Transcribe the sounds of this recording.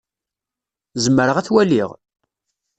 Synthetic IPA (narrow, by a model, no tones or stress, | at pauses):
zəmːəɾəʁæθwæliʁ